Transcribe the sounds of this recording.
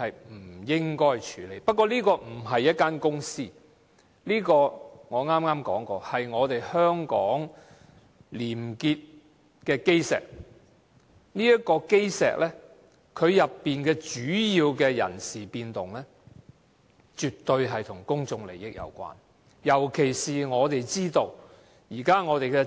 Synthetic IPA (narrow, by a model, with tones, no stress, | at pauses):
hɐ˨jm̩˨˩jɪ˥ŋkɔː˥jt͡ʃʰyː˨˥le˨˧jpɐ˥kʷːɔː˧liː˥kɔː˧m̩˨˩ɦɐ˨jːɐ˥t̚kaː˥nkʊ˥ŋsiː˥ | liː˥kɔː˧ŋɔː˨˧ŋaː˥mŋaː˥mkɔ̰ː˨˥ŋkɔː˧hɐ˨jŋɔː˨˧t̪e˨jhœː˥ŋkɔː˨˥ŋ | liː˨˩mkiː˧t̚ | kɛː˧ke˥jsɛ̰ː˨k̚ | niː˥jɐ˥t̚kːɔː˧ke˥jsɛ̰ː˨k̚lʔɛ˥ | kʰɵ˨˧ɥjɐ˨pːiː˨nkɛː˧t͡ʃyː˨˥jiː˧wkɛː˧jɐ̰˨˩nsiː˨piː˧nt̪ʊ˨˩ŋlɛː˥ | t͡ʃyː˨tt̪ɵ˧ɥɦɐ˨jt̪ʰʊ˨˩ŋkʊ˥ŋt͡sʊ˧ŋle˨˩jɪ˨k̚jɐ̰˨˧wkʷa̰ː˥n | jɐ˨˩wkʰe˨˩jsiː˨ŋɔː˨˧t̪e˨jt͡siː˥t̪o˧w | jiː˨˩kaː˥ŋɔː˨˧t̪e˨jkɛ˧